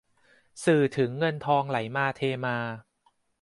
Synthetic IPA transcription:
sɯː˨˩t̪ʰɯ˩˦ŋːɤ˧nt̪ʰɔː˧ŋla˩˦jmaː˧t̪ʰeː˧maː˧

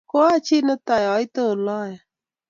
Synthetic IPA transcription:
ko˦a˦t͡ʃʰi˦˨nə˦t̪a˨jɔ˨˦i˦t̪ə˦˨lɔ˦˨ja˨

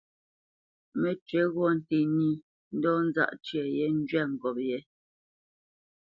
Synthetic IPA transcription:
mɛ˨t͡ʃɥɛ˨˦ɣwɔ˦˨n̩˨te˨ni˦˨ | n̩˦dɔ˦n̩˦za̰˦ʔt͡ʃɥɛ˨jɛ˦n̩˦d͡ʒɥɛ˦˨ŋ̩˨ɡɔ˨p̚jɛ˨˦

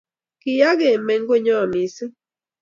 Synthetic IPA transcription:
kɪ˨ja˦ɡe˨me˨ŋ˦ɡo˦˨ɲɔ˦˨mi˨s

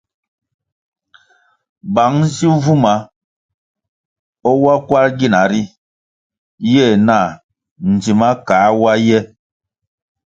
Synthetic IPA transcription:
ba˨˦ŋzi˦vu˦ma˨ | ɔ˦wa˦kwa˦ɾɡi˦˨na˨ɾi˦ | jɛ˦˨na˦˨ | n̩˨d͡ʒi˨ma˦kaː˨˦wa˦jɛ˦

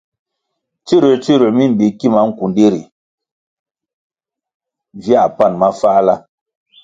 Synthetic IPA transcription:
t͡ʃi˦ɾe˨t͡ʃi˦ɾe˨mi˦m̩˨bi˨ki˦˨ma˨˦ŋ̩˨ku˨ndi˦ɾḭ˨ | vi˦a˨pa˦˨nma˦faː˦la˦

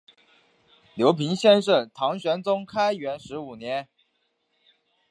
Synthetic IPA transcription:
ljo˧˥ʊpʰi˧˥ŋɕjɛ˥˧nʂɤ˥˩t̪ʰɑ˧˥ŋɕɥɛ˧˥nt͡sʊ˥ŋkʰa˥ɪɥɛ˧˥nʂɻ̩˧˥u˨˩njɛ˧˥n

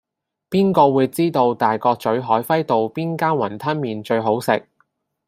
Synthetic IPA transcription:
piː˥nkɔː˧wuː˨˧jt͡siː˥t̪o˧wt̪aː˨jkɔː˧k̚t͡sɵ˨˥ɥɦɔː˨˥jfɐ˥jt̪o˨wpiː˥nkaː˥nwɐ˨˩nt̪ʰɐ˥nmiː˨nt͡ʃɵ˧ɥɦo˨˥wsɪ˨k̚

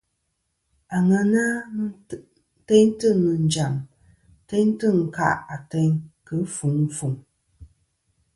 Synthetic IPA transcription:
a˨ŋə˨na˦ | tɛ˦ɲ˦tɨ˦˨mɨ˨n˨˦d͡ʒa˨m | tɛ˦ɲ˦tɨ˦˨ŋ̩˨ka̰˦˨ʔa˨tɛ˦ɲkə˨˦fu˨˦ŋ̩˦fu˨ŋ

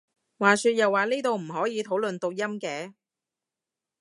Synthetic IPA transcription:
waː˨syː˧t̚jɐ˨wːaː˨˩liː˥t̪o˨˧wm̩˨˩ɦɔː˨˥jiː˨˧t̪ʰo˨˥wlɵ˨nt̪o˧wjɐ˥mkɛː˨˥

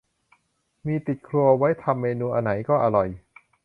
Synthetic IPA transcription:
miː˧t̪i˨˩t̪̚kʰlu˧ɐwa˦˥jt̪ʰa˧mːeː˧nuː˧ʔa˧na˩˦jkɔː˥˩ʔa˧ɾɔ˨˩j

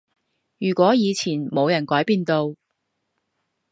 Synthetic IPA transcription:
jyː˨˩kʷɔː˨˥jiː˨˧t͡sʰiː˨˩nmo˨˧wjɐ˨˩nkɔː˨˥jpiː˧nt̪o˧w

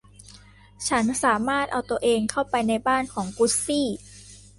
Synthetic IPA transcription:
t͡ɕʰa˦˥nsaː˩˦maː˥˩t̪̚ʔa˧wt̪u˧əʔeː˧ŋkʰa˥˩wpa˧jna˧jbaː˥˩nkʰɔː˩˦ŋku˦˥siː˥˩

